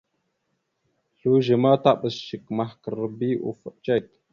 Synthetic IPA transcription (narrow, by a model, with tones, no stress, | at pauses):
ɬu˦ʒə˨ma˦ta˦ɓə˨sʃə˨kma˨hkə˨ɾə˦bi˦ʔṵ˨fə˨t͡ʃe˦˨k̚